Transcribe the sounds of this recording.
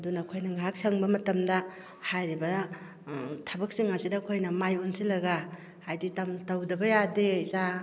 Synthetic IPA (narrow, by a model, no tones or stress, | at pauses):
ɐdunɐkʰojnɐŋak̚saŋbɐmɐtɐmdɐ | hajɾibɐ | tʰɐbɐk̚siŋːasidɐkʰojnɐmajonsilɐɡa | hajditɐmtɐwdɐbɐjadeiza